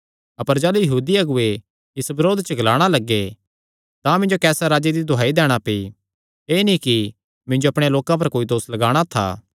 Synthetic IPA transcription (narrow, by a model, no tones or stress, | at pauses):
ɐpəɾd͡ʒɛːlujɐɦuːd̪iɐɡʊe | ɪsbɐɾoːd̪t͡ʃəɡʱɐlaːɽ̃alɐɡːe | t̪ãmɪ̃nd͡ʒokɛːsaɾaːd͡ʒed̪id̪ʱoɦaːid̪ɛːɽ̃apei | eːnĩki | mɪ̃nd͡ʒoɐpɽ̃eloːkãp̬ɐɾkoːid̪oːslɐɡaːɽ̃at̪ʰa̰ː